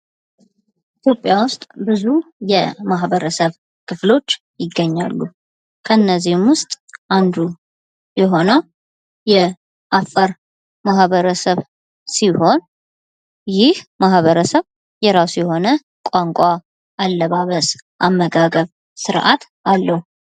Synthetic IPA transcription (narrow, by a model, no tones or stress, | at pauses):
it̪ʰjo̞pʼjawʊst̪ʼbɨzujɛmaɦβəɾəsəβ | kʰɨflo̞t͡ʃː | jɪɡːəɲːa̰lːu | kʰəɨnːəzːihɨmwʊst̪ʼʔand̪u | jɛɦo̞nəw | jɛ | ʔafəɾ | maɦβəɾəsəβ | siho̞n | jɪhmaɦβəɾəsəβ | jɛɾasujɛho̞nə | kʷʼaŋkʷʼa | ʔalːəβaβəsʔamːəɡaɡəβ | sɨɾʔa̰t̪ | alːəhu